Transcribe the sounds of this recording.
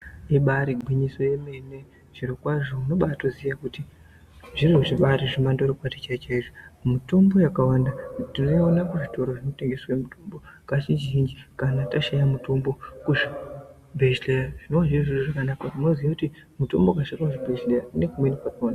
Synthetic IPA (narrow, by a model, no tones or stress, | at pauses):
iɓaɾiɡʱwiɲiso̞je̞me̞ne̞ | ʐ̥iɾokwaʐo̞uno̞ɓaːtozijakuti | ʐiriuʐiɓaɾiʐimandorokwatit͡ʃait͡ʃaiʐomuto̞mbo̞jakawandatino̞ionakuʐito̞ɾoʐino̞te̞ŋɡe̞swaemutʰombo̞kat͡ʃit͡ʃʒind͡ʒikanataʃajamuto̞mbo̞kuʐi | bʱet͡ʃleraʐ̥inowaʐiʐiriʐakanakaino̞ziʋakuti | muto̞mbokaʃakakuʐibʱet͡ʃleraune̞kumwenipatona